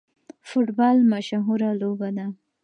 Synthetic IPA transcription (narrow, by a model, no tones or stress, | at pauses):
fʊʈbɑlmaʃɦuɾalobad̪a